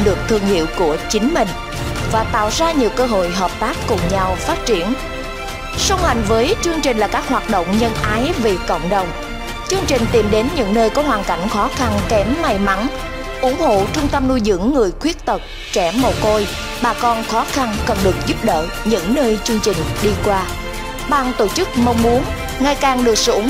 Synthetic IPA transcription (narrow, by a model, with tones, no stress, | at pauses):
ɗɨ˨˩ək̚t̪ʰɨ˧˩əŋhḭ˧˨əwku˧˩ət͡ɕï˨˦ŋ̟mï˨˩ŋ̟ | vaː˨˩t̪a̰ː˧˨wzaː˧ɲi˨˩əwkəː˧ɦo̰˧˨jɦəː˨˩p̚t̪aː˦˥kːʊ˨˩ŋ͡mɲa˧wfaː˦˥t̚t͡ɕi˧˩ən | sə˧wŋ͡mha˨˩jŋ̟vəː˨˦jt͡ɕɨ˧əŋt͡ɕï˨˩ŋ̟laː˨˩kaː˦˥k̚hwaː˨˩t̚ɗo̰˧˨wŋ͡mɲə˧nʔaː˨˦jve˨˩kə̰˧˨wŋ͡mɗə˨˩wŋ͡m | t͡ɕɨ˧əŋt͡ɕï˨˩ŋ̟t̪i˨˩mɗe˨˦nɲɨ̰˧˥ŋnəː˧jkɔ˨˦ɦwaː˨˩nka̰˧˩jŋ̟xɔ˨˦xa˧nkɛ˨˦mːa˨˩jma˨˦˥n | ʔʊ̰˧˥ŋ͡mho̰˧˨t͡ɕʊ˧ŋ͡mt̪ə˧mnu˧jzɨ̰˧˥əŋːɨ˨˩əjkwi˦˥ət̚t̪ə˨˩k͡p̚ | t͡ɕɛ˧˩mo˨˩ko˧j | ɓaː˨˩kɔ˧nxɔ˨˦xa˧nkə˨˩nɗɨ˨˩ək̚zu˦˥p̚ɗə̰ː˧˨ | ɲɨ̰˧˥ŋnəː˧jt͡ɕɨ˧əŋt͡ɕï˨˩ŋ̟ɗi˧kwaː˧ | ɓaː˧nt̪o˧˩t͡ɕɨ˦˥k̚mə˧wŋ͡mmu˨˦ən | ŋa˨˩jkaː˨˩ŋɗɨ˨˩ək̚sɨ̰˧˦ŋ͡m